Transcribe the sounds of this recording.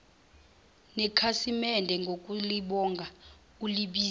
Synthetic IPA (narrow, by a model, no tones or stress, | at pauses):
nɛkʰasimɛndʱɛŋɡʱokʼuliɓɔŋɡʱa | uliɓiː